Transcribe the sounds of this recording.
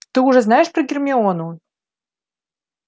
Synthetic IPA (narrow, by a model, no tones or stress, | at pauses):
t̪ɨuʐɛznajɛʂpɾɐɡʲɪrmʲɪonu